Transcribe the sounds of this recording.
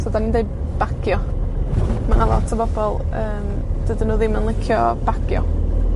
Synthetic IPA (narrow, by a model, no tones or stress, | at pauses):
sodanindej | b̥akʰjɔ | manalˠɔ̰tʰəbɔb̥ɔlˠəːm | d̥ədənuːðɪmanlˠɪkʰjɔb̥akʰjɔ̰